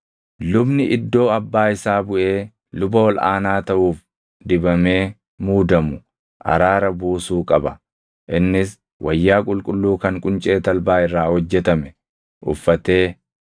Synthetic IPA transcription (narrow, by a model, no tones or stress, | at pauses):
lʊbnɪʔɪd̪ːo̞ːɐbːaːɪsaːbʊʔe̞ː | lʊbɐwɔla̰ːnaːt̪ɐʔuːf | d̪ɪbɐme̞ː | muːd̪ɐmʊ | ʔɐ̰ɾaːɾɐbuːsuːkʼɐbɐ | ʔɪnːɪs | wʔɐjːaːkʼʊlkʼʊlːuːkɐŋkʼʊnt͡ʃʼe̞ːt̪ɐlbaːɪrːaːhɔd͡ʒːɛt̪ɐmɛ | ʔʊ̰fːɐt̪e̞ː